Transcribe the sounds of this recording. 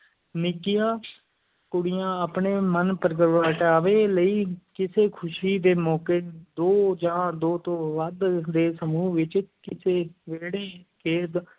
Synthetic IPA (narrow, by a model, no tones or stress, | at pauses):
nɪkɪjãː | kʊɽɪjãːəpɳeːmənpəɾɡəɾʋaːʈaːʋeːləiːkɪseːkʰʊʃiːd̪eːmɔːkeːd̪oːd͡ʒãːd̪oːt̪õːʋəd̪d̪eːsəmuːʋɪt͡ʃkɪseːʋeːɽeːkeːd̪